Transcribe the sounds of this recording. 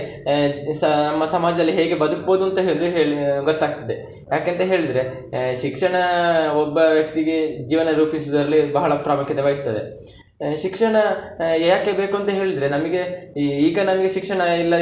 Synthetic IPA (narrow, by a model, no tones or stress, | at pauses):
snɐmːɐsɐmaːd͡ʒɐd̪ɐlːiɦe̞ːɡe̞bɐd̪ukboːd̪uɐnt̪ɐɦeːɭd̪uɦeːɭiɡot̪ːaːɡ̚t̪ɐd̪e | jaːkeːnt̪ɐɦe̞ːɭid̪ɾe̞ | ʃikʂɐɳɐɔbːɐʋjɐk̚t̪iɡed͡ʒiːʋɐnɐɾuːpis̬ud̪ɐɾɐlːibɐɦɐɭɐpɾaːmukʰjɐt̪ɐʋaːɡist̪ɐd̪ḛ | ʃikʂɐɳɐjaːkebe̞ːkuɐnt̪ɐɦe̞ːɭid̪ɾe̞nɐmɐɡe̞iːɡɐnɐmɐɡeʃikʂɐɳɐilːɐ